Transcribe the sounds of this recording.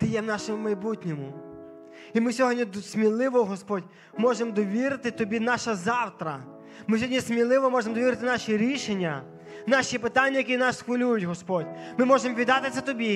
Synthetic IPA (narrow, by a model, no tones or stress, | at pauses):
t̪ɪjɛwnɑʃemʊmɐjbutʲnʲɔmʊ | imɪsʲɔɦɔdʲnʲismʲilˠɪʋɔɦɔspɔdʲ | mɔʒemd̪ɔʋʲiɾɪt̪ɪt̪ɔbʲinɑʃɐzɑwt̪ɾɐ | mɪs̬ʲɔdʲnʲismʲilˠɪʋɔmɔʒemd̪ɔʋiɾɪt̪ɪnɑʃiɾʲiʃenʲːɐ | nɑʃipɪt̪anʲːɐjɐkʲinɑsːxʋɐlʲujʊtʲɦɔspɔdʲmɪmɔʒemɔʋʲid̪ɑt̪ɪt̪sɛt̪ɔbʲi